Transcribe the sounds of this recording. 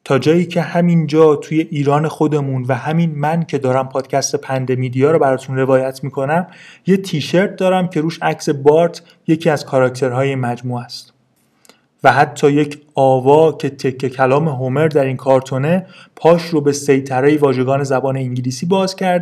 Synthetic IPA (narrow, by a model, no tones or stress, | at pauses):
t̪ʰɒːd͡ʒɒːjiːcʰe̞hæmind͡ʒɒːt̪ʰuːje̞ʔiːɾɒːne̞xo̞d̪e̞munvæhæminmæncʰe̞d̪ɒːɾæmpʰɒːd̪̥cʰæst̪e̞pʰænd̪e̞miːd̪ijɒːɾɔːbæɾɒːt̪ʰunre̞vɒːjæt̪ʰmiːkʰo̞næmje̞t̪ʰiːʃe̞ɾt̪̚d̪ɒːɾæmcʰe̞ɾuːʃæcse̞bɒːɾt̪ʰ | je̞cʰiːæz̥kʰɒɾɒct̪ʰe̞ɾɦɒːje̞mæd͡ʒmuːæst̪ | væɦæt̪ʰːɒːje̞cʰɒːvɒːcʰe̞t̪ʰe̞cʰːecʰælɒːme̞ɦome̞ɾd̪æɾinkʰɒːɾt̪ʰo̞ne̞ | pʰɒːʃrobe̞se̞jt̪ʰæɾejevɒːʒe̞ɡɒːne̞zæbɒːne̞iɲɟiliːsiːbɒːzcʰæɾd̪